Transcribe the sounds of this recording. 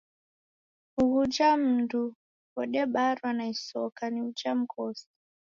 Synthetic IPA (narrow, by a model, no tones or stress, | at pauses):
uɣud͡ʒam̩ndu | kɔɗɛɓaɾwanaisɔkaniud͡ʒam̩kʰɔsi̥